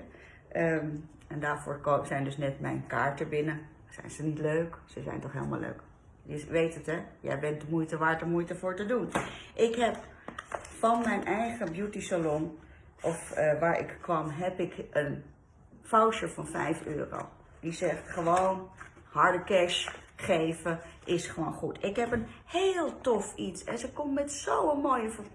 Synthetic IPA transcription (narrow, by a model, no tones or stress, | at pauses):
ə | ɛndaːɹvo̰ːɹkosɛjndɵsnɛtmɛ̰jnkaːɹtəbɪnə | z̥ɛ̰jnz̥ənitløɥksəzɛ̰jntɔχɦḛːlˠma̰lø̰ɥk | dɪsʋejtətɛjɛ̰jbɛntəmujtəʋaːɹtəɹmujtəvʊːɹtədunʔɪkɦɛp̚ | fɑnmɛjnʔɛjχəbjutisalɔn | ʔɔfʋaːɹɪ̰kkʋɑmɦɛpɪkʔən | fawʃəfɑnfɛ̰jfø̰ːro̰ | d̥izɛχtχəʋown | hɑɹdəkɛʃχejvəʔɪsχəʋonχutʰɪkɦɛpənhelˠtɔfitsɛnsəkɔmmɛtsowəmojəfə